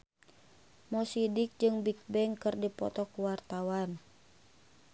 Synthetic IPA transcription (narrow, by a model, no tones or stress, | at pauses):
mɔsidik̚d͡ʒɨŋbik̚bɛŋkɨrdipɔ̰t̪ɔkuwart̪awan